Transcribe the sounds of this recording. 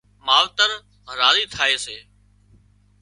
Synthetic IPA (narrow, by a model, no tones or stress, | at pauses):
maːʋt̪əɾ | ɾaːziːt̪ʰaːeːseː